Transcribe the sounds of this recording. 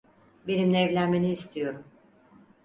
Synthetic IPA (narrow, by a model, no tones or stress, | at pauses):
be̞nimnɛɛvlʲænme̞niːst̪ʰijo̞ɾum